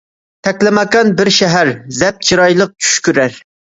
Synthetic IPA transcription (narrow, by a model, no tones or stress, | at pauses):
t̪ʰɛkʲlɪmɑkɑnbɪɾʃɛɦæɾzɛp̚t͡ʃʰiɾɑjlˠəq̚t͡ʃʰy̥ʃkʲyɾæɾ